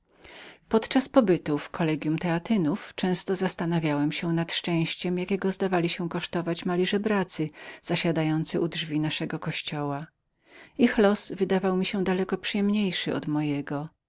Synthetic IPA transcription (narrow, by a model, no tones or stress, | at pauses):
pɔt̪t͡ʂaspɔbɘt̪ufkʰɔlɛɡʲjumt̪ɛat̪ɘnuft͡ʂɛ̃w̃st̪ɔzast̪anavʲjawɛmɕɛnat̪ʂt͡ʂɛ̃w̃ɕt͡ɕɛmjakʲɛɡɔzd̪avalʲiɕɛkɔʂt̪ɔvat͡ɕmalʲiʐɛbɾat̪sɘz̥aɕad̪ajɔnt̪sɘʔudʐvʲinaʂɛɡɔkɔɕt͡ɕɔwa | ixlɔsvɘd̪avawmʲiɕɛ̃d̪alɛkɔpʂɨjɛmɲejʂɘɔ̰d̪mɔjɛɡɔ